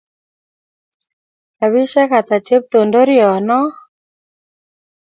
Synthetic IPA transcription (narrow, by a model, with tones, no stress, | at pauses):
ka˨βi˦ʃɛ˦ka˨t̪a˨t͡ʃe˦p̚t̪o˨ndo˦ɾjɔ˨nɔ˦